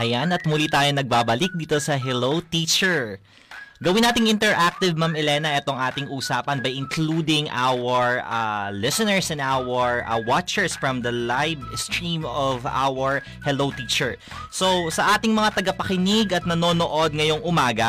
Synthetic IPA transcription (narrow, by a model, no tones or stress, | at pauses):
ʔɐjanɐt̪̚mʊlit̪aːjonɐɡ̚babɐlɪk̚d̪iːt̪o̞sɐɦɛlowt̪iːt͡ʃɛɹ | ɡɐwɪnːaːt̪ɪŋʔɪ̃nt̪ɛɹʔak̚t̪ɪvmamɛlɛnɐʔɛt̪oŋʔaːt̪ɪŋʔuːsaːpɐnbɐjʔɪŋkluːd̪ɪŋʔa̰wɐɹa̰lɪsɛnɛɹsɛnd̪ʔawɐɹ̰wat͡ʃɛɹsfɹɐ̃md̪ɐlajbst̪ɹimɔvʔa̰wɐɹ | hɛlowt̪iːt͡ʃɛɹ | sosɐʔaːt̪ɪŋmɐŋat̪ɐɡɐpɐkɪnɪɡɐt̪̚nɐno̞ːnoʔo̞d̪̚ŋɐjo̞ŋʔʊmaːɡɐ